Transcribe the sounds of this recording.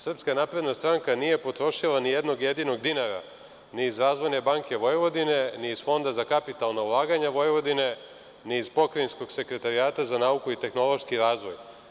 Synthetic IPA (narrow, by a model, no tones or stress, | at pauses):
sr̩pskanapɾe̞d̪nast̪ɾaŋkanije̞po̞t̪ɾo̞ʃilˠanijed̪no̞ɡje̞d̪ino̞ɡd̪inaɾa̰ | niːzɾaːzʋo̞jne̞baŋkʲe̞ʋo̞jeʋo̞d̪ine̞niːz̥fo̞nd̪azakapit̪alˠnaulˠaːɡaɲaʋo̞jeʋo̞d̪ine̞ | niːzpo̞kɾinsko̞ɡse̞kɾe̞t̪aɾiaːt̪azanaːukuit̪e̞xno̞lˠo̞ʃkiɾaːzʋo̞j